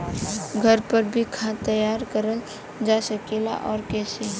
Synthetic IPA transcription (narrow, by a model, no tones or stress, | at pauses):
ɡʱəɾpəɾbʱikʰãt̪əjaːɾkəɾəl | d͡ʒasəkela̰ʔɔːɾkɛːsi